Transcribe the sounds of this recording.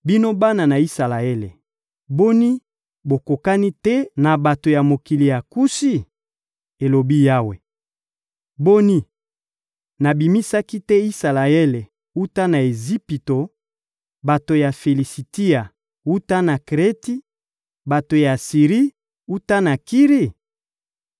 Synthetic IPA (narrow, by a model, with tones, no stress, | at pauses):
bi˦no˦ba˦na˨na˨i˦sa˨la˨ɛ˦lḛ˨ | bo˦ni˦ | bo˨ko˨ka˦ni˦tɛ˦na˨ba˨to˨ja˨mo˨ki˨li˨ja˨ku˦si˦ | e˨lo˨bi˦ja˦we˨ | bo˦ni˦ | na˨bi˨mi˦sa˦ki˦tɛ˦i˦sa˨la˨ɛ˦le˨ | u˦ta˦na˨e˨zi˦pi˨to˨ | ba˨to˨ja˨fe˨li˨si˨ti˦a˨ | u˦ta˦na˨kʁe˦ti˦ | ba˨to˨ja˨si˨ʁi˦ | u˦ta˦na˨ki˦ʁi˦